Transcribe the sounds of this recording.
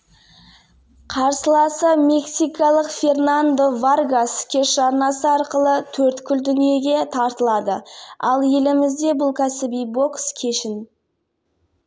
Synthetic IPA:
qʰɑɾsəlˠɑsəme̞ksijkɑlˠəqfʲe̞rnand̪ovarɡaskʲʰe̞ʃɑɾnɑsəɑɾqəlˠət̪ʰɵɾt̪kʲʰʏld̪ʏnije̞ɡʲe̞t̪ʰɑɾt̪əlˠɑd̪əɑlˠje̞lɪmɪzd̪e̞bʊlˠkʲʰæsɪbijbo̞kskʲʰe̞ʃɪn

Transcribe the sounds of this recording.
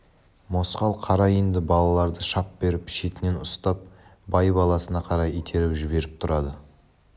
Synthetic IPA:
mo̞sqɑlˠqʰɑɾɑjind̪ɪbɑlˠɑlˠɑɾd̪əʃɑp̚be̞ɾɪpʃet̪ɪne̞nʊst̪ɑp̚bɑjbɑlˠɑsənɑqʰɑɾɑjijt̪ʰe̞ɾɪwʒɪbe̞ɾɪp̚t̪ʰʊɾɑd̪ə

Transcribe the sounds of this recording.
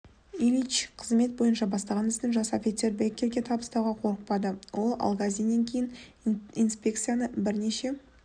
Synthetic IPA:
ilit͡ʃqʰəzme̞t̪̚bo̞jənʃɑbɑst̪ɑʁɑnɪzd̪ɪŋʒɑsɑfʲit̪seɾbʲekʲːe̞ɾɡʲe̞t̪ʰɑbəst̪ɑwʁɑqʰo̞ɾəq̚pɑd̪əwʔo̞lˠɑ̰lˠɡazʲijne̞ŋkʲʰe̞jɪn | inspʲe̞k̚t̪sɨjanəbɪɾne̞ʃe̞

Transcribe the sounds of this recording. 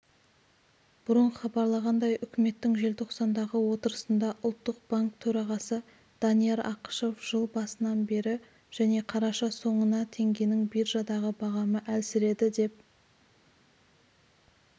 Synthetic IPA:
b̥ʊɾəɴqəχɑbɑɾlˠɑʁɑnd̪ɑjʔʏkʲɪme̞t̪ːɪŋʒe̞lt̪ʰoqsɑnd̪ɑʁəwo̞t̪əɾəsənd̪ɑʔʊlˠt̪ːəq̚b̥aŋk̚t̪ʰɵɾɑʁɑsə | d̪̥ɑnijeɾɑqə̥ʃo̞fʒ̥əlˠbɑsənɑnbe̞ɾɪ | ʒ̥æne̞qʰɑɾɑʃɑso̞ɴənɑt̪ʰe̞ŋɡʲe̞nɪŋbijɾʒɑd̪ɑʁəbɑʁɑməʔælsɪɾe̞d̪ɪd̪e̞p̚

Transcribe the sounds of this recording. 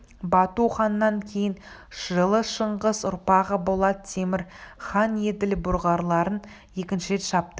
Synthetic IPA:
bɑt̪uχɑnːɑŋkʲʰe̞jɪn | ʒəlˠəʃəɴʁəzʊ̰ɾpɑʁəbo̞lˠɑd̪ət̪ʰe̞mɪɾχɑnje̞d̪ɪlbʊɾʁɑɾlˠɑɾən | je̞kʲɪnʃɪɾe̞t̪ʃɑp̚t̪ə

